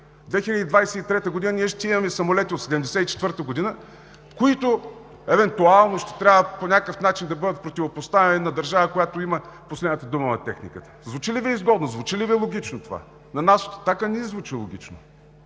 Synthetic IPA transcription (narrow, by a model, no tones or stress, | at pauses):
d̪vɛxilʲəd̪id̪vajsɛit̪ɾɛt̪əɡod̪inəniɛʃt̪ɛimɐmɛsɐmolɛt̪ʲiot̪sɛd̪ɛmd̪ɛsɛit͡ʃɛ̥t̪vəɾt̪əɡod̪inə | koit̪ʊ | ɛvɛnt̪ualˠnoʃt̪ɛ̥t̪ɾʲabvəponʲakəfn̪at͡ʃind̪ɐbɤd̪ət̪̚pɾot̪ʲivopost̪avʲɛnɛnɐd̪ɐɾʒavəkojat̪oiməposlɛd̪nət̪əd̪umənɐt̪ɛxnikət̪ə̥zvut͡ʃiliviizɡɔd̪nozvut͡ʃiliviɛlˠoɡ̟ʲit͡ʃnot̪ova̰ | nɐnasot̪t̪akaniɛzvut͡ʃilˠoɡ̟ʲit͡ʃno